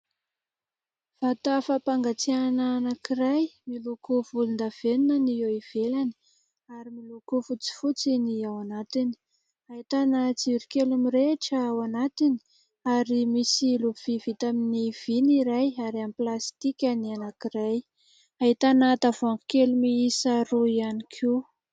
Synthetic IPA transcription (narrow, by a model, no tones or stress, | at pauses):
v̥at̪afapaŋɡat͡sianaːnakiɾajmilukuvulund̪av̥enunənieiv̥elani̥ | aɾimilukufut͡si̥fut͡siniawanat̪ini̥ | aɦit̪anət͡siuɾikelumiɾeʈ͡ʂəawanat̪ini̥ | aɾimisiluv̥ivit̪aminiv̥iniɾajaɾamiplast̪ikʲanianakiɾaj | aɦit̪anat̪avaŋɡu̥kelumiisaɾuianikʰi